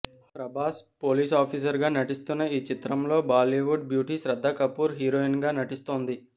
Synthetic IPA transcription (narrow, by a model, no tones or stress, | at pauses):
pɾɐbaːspoːliːs̬aːpʰiːs̬ɐɾɡaːnɐʈist̪unːɐiːt͡ʃit̪ɾɐmlo̞ːbaːliʋuɖ̚bjuːʈisɾɐd̪ʱːɐkɐpuːɾɦiːɾoːinɡaːnɐʈist̪o̞ːnd̪i